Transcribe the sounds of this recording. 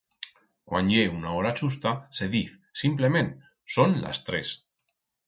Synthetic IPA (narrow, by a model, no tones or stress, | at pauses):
kwa̰nʎeunao̞ɾat͡ʃus̬t̪ase̞ðiθ | simple̞mẽ̞n | so̞nla̰st̪ɾe̞̰s